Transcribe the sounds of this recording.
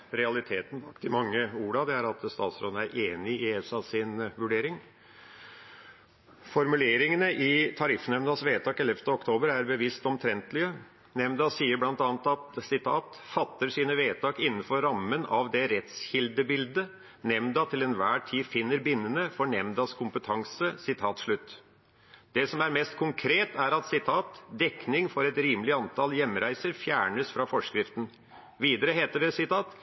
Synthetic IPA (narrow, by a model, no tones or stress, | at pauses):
ɾɛɑlɪt̪ʰeːt̪n̩bɑkt̪ʰɪmɑŋːəuːɾɑd̪ɛæɾɑt̪st̪ɑ̰ːt̪sɾɔnəæɾʔeːnɪɪɛsɑsɪnʋʉɖeːɾɪŋ | fɔɾmʉleːɾɪŋənəʔɪt̪ʰɑɾɪfːnɛmd̪ɑsʋeːt̪ʰɑːkɛlɛft̪əɔkt̪ʰoːbəɾæɾbəʋɪst̪ɔmt̪ʰɾɛnt̪lɪə | nɛmd̪ɑsiːəɾblɑnt̪ɑːnət̪ɑt̪sɪt̪ʰɑːt̪ | fɑt̪ːəʂiːnəʋeːt̪ʰɑːkɪnːnənfɔɾɾɑmːənɑʋd̪ɛɾɛt̪sçɪld̪əbɪld̪ə | nɛmd̪ɑt̪ʰɪlɛnʋæːʈʰiːfɪnːəɾbɪnːənəfɔɳɛmd̪ɑskʰʊmpət̪ʰɑŋsəsɪt̪ʰɑːt̪ʂɭʉt̪ː | d̪ɛsɔmæɾmɛst̪̚kʰʊŋkʰɾeːt̪æɾɑt̪sɪt̪ʰɑːt̪d̪ɛknɪŋfɔɾɛt̪ɾiːməlɪɑnt̪ʰɑljɛmːɾæɪsəɾfjæːɳəsfɾɑfɔʂkɾɪft̪n̩ | ʋiːd̪əɾəɦeːt̪əɖɛsɪt̪ʰɑːt̪